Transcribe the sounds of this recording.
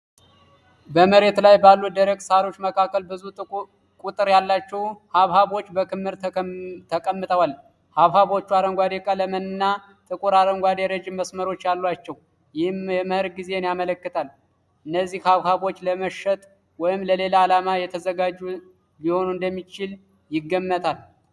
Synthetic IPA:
bəməɾe̞t̪lajbalːud̪əɾəɡsaɾo̞t͡ʃːməkʰakːəlbɨzu | kʼut̪ʼɨɾjalːat͡ʃːɛwhaβhaβo̞t͡ʃːbəkʰɨmhɨɾt̪ʰəkʼəmːɨt̪ʼəwal | haβhaβo̞t͡ʃːuaɾəŋɡʷad̪ekʼaləmənɨnːa | t̪ʼɨkʼuɾaɾəŋɡʷwad̪eɾəd͡ʒɪmːəsməɾo̞t͡ʃːjalːwat͡ʃːɛw | jɪhmjɛmɨhɨɾɡize̞njamələkːɨt̪ʰal | ʔɨnːəzːihhaβhaβo̞t͡ʃːləməʃːət̪ʼ | wɔjɪmləle̞laːlamajɛt̪ʰəzəɡad͡ʒːu | biho̞nuɨnd̪əmːit͡ʃɪl | jɪɡːəmːət̪ʰal

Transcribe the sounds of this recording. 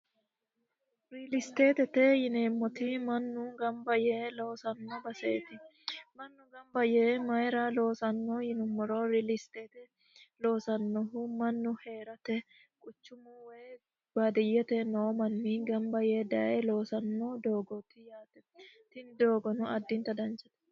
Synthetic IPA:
ɾilɪst̪eːt̪ɛt̪ejɪneːmːɔt̪ɪmɐnːʊɡɐmbɐjeːlo̞ːsɐnːɔbɐseːt̪ɪ | mɐnːʊɡɐmbɐjeːmɐjɾalo̞ːsɐnːoːjɪnʊmːɔɾoːɾilɪst̪eːt̪ɛ | lo̞ːsɐnːɔɦʊmɐnːʊheːɾɐt̪ɛ | kʼʊt͡ʃːʊmʊweː | b̥ad̪ɪjːɛt̪ɛnoːmɐnːɪɡɐmbɐjeːd̪ɐʔelo̞ːsɐnːoːd̪oːɡɔt̪ɪjaːt̪ɛ̥t̪ɪnd̪o̞ːɡɔnʊɐd̪ːɪnt̪ɐd̪ɐnt͡ʃɐ̥t̪ɛ̥

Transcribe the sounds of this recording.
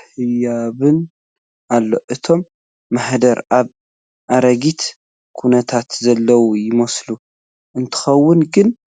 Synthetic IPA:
hɨjaβɨn | ʔalːo̞ʔɨt̪ʰo̞mː | aħd̪ɐɾaβ | ʔaɾɐɡit̪ | kʰunɐt̪ʰat̪zɐlːɐwujɪmɐslu | ʔɨnt̪ʰɨ̥xɐwːʊnɡɨn

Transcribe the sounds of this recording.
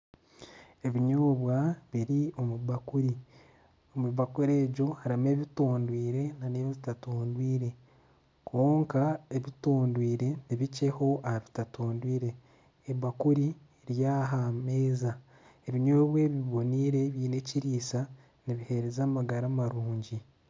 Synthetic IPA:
e̞βiɲoːβwaβiɾio̞muβakuɾi | omuβakuɾe̞ːɟo̞haɾime̞ːβitoːndwiːɾe̞naneβoβitatoːndwiːɾe̞ | kʰo̞ːŋkae̞βitoːndwiːɾe̞niβice̞ho̞ʔahaβi̥tatoːndwiːɾe̞ː | βakuɾi | ɾjaːɦameːza | eβiɲoːβwe̞βiβo̞niːɾe̞βjiːne̞ciɾiːsa | niβihe̞ɾezaːmaɡaɾamaɾuːɲɟi

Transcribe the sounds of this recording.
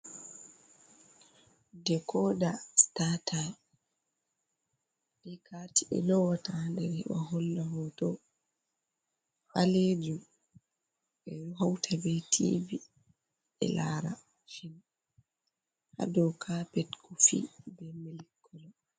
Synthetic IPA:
dɛkʰɔdastatʰa | likʰatiʔɛ̰nɔwatandɛɾɛwa̰ɦɔlːaɦɔtɔ | haled͡ʒum | ɓɛɾuɦawtʰabɛtʰḭːvi | ɛ̰laɾa | ʃin | ha̰dɔkʰapɛtkʰɔfḭbɛmilikʰːɔlɔ

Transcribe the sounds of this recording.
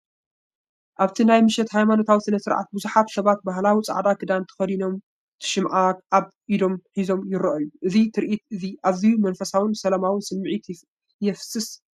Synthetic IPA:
ʔaβt̪ʰinajmɨʃɛt̪hajmano̞t̪ʰawisɨnɐsɨɾʕa̰t̪̚bɨzuħat̪sɐβat̪̚baɦlawit͡sʼa̰ʕd̪akʰɨd̪ant̪ʰɐ̥xɐd̪ino̞m | t̪ʰɨ̥ʃɪmʕaʔaβ | ʔid̪o̞mħizo̞mjɪɾɐʔɐjuʔɨzit̪ʰɨɾʔit̪ɨziʔaβzijumɐnfɐsawɨnsɐlamawɨsɨmːʕit̪ | jɛfsɨs

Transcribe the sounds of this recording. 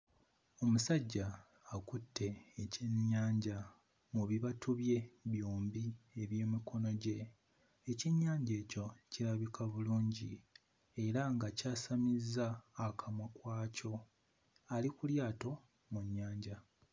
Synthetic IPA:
o̞musaɟːaː | kutʰːe̞ːceɲːaːɲɟa | muβiβatuβje̞βjoːmbieβje̞ːmikʰo̞no̞ɟe̞ː | ceɲːaːɲɟeːco̞ciɾaβikʰaβuluːɲɟi | e̞ɾaŋɡacaːsamizːaːkʰamwakwaːco̞ | alikuljaːto̞ | muɲːaːɲɟa

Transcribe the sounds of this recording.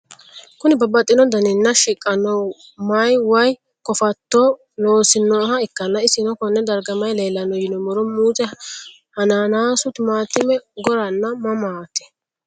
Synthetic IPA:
kʊnɪbɐbɐt̪ʼːɪnɔd̪ɐnɪnːɐʃɪkʼːɐnɔw | mɐjwɐj | kɔfɐt̪ːɔ | noːsɪnːɔɦɐɪkːɐnːɐɪsɪnɔkɔnːɛd̪ɐɾɡɐmɐjleːlːɐnːɔjɪnɔmɔɾɔmuːt͡sʼɛ | hɐnaːnaːsʊt̪ɪmaːt̪ːɪmɛɡɔɾɐnːɐmɐmaːt̪ɛ̥

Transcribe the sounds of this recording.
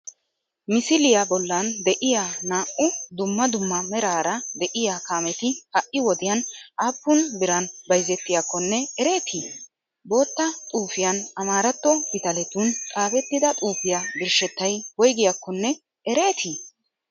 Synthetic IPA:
mɪsɪlɪjabɔlːɐnd̪ɛʔɪjaːnaːʔʊd̪ʊmːɐd̪ʊmːɐmɛɾaːɾɐd̪ɛʔɪjaːkaːmɛt̪ɪhɐʔɪwɔd̪ɪjɐnʔaːpːʊnbɪɾɐnbɐjzːɛt̪ːɪjakːɔnːɛɛɾe̞ːt̪ʰi | bo̞ːt̪ːɐt̪ʼuːfɪjɐnɐmaːɾɐt̪ːɔbɪt̪ɐlɛt̪unt̪ʼaːfɛt̪ːɪd̪ɐt̪ʼuːfɪjaɡɪɾʃɛt̪ːɐjwɔjɡɪjakːɔnːɛ | ɛɾe̞ːt̪ʰi

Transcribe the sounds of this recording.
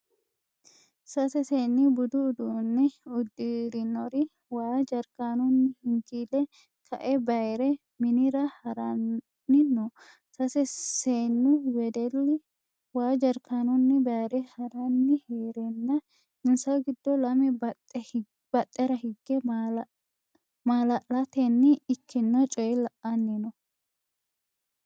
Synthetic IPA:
sɐsɛseːnːɪbʊd̪ʊːd̪unːɪʊd̪ːiɾɪnɔɾɪ | waːd͡ʒɐɾkaːnʊnːɪhɪŋkiːlɛ | kʰɐ̰ʔɛbɐjɾɛ | mɪnɪɾɐhɐɾɐn | nːɪnːɔ | sɐsɛseːnːɪwɛd̪ɛlːɪ | waːd͡ʒɐɾkaːnɔnːɪbɐjɾɛhɐɾɐnːɪheːɾɛnːɐ | ɪnsɐɡɪd̪ːɔlɐmɛb | b̥ɐt̪ʼːɛɾɐhɪɡːɛ | maːlɐlɐt̪ɛnːɪɪkːɪnːɔt͡ʃʼɔjɛlɐʔːɐnːɪnɔ

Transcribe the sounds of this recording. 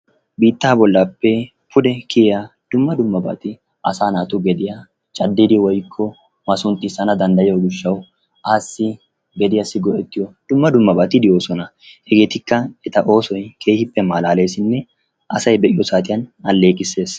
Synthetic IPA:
biːt̪ːaːbɔlːaːpːɛ | pʰʊd̪ɛkɪjad̪̥ʊmːɐd̪ʊmːɐba̰ːt̪ɪ | ʔɐ̰saːnaːt̪ʊɡɛd̪ɪja | t͡ʃʼɐd̪ːɪd̪ɪwɔjkʰːɔ | mɐsʊnt̪ʼːɪsɐnɐd̪ɐnd̪ɐjɪjɔɡʊʃːɐw | ʔaːsːɪ | ɡɛd̪ɪjɐsɪɡɔʔɛt̪ːɪjɔd̪̥ʊmːɐd̪ʊmːɐbaːt̪ɪd̪ɪjo̞ːsɔnɐ | hɛɡe̞ːt̪ɪkːɐɛt̪ɐʔo̞ːsɔjkʰe̞ːhɪpːɛmaːlaːle̞ːsɪnːɛ | ʔɐsɐjbɛʔɪjɔsaːt̪̬ʼɪjɐnɐlːe̞ːkʼɪsːe̞ːs

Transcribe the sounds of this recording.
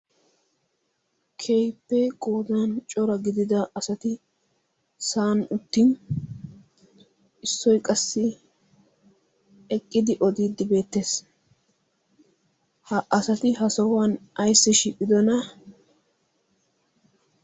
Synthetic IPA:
kʰejpːɛɡʼo̞ːd̪ant͡ʃʼɔɾɐɡɪd̪ɪd̪ɐɐsɐt̪ɪ | saːnʊt̪ːiːn | ʔɪsːɔjkʼɐsːɪ | ɛkʼːɪd̪ɪʔɔd̪iːd̪ːɪbe̞ːt̪ːe̞ːs | hɐʔɐsɐt̪ɪɦɐsɔwɐnɐjsːɪʃiːpʼːɪd̪ɔnɐ

